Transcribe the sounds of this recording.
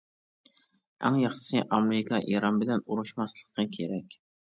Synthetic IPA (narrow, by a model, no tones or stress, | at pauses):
æ̰ŋjɑχʃsɨʔɑmeɾɪkʰɑʔiɾɑnbɪlɛnuɾuʃmɑslˠə̥qʰːɑkʲʰeɾɛkʲ